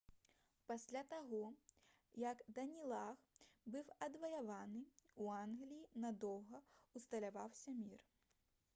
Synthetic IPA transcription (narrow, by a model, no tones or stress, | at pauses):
pasʲlʲat̪aɣɔ | jɐkd̪ɐnʲilˠaxbɨwɐd̪vɐjavanɨuanɣlʲijinɐd̪ɔwɣɐust̪ɐlʲavawsʲɐmʲir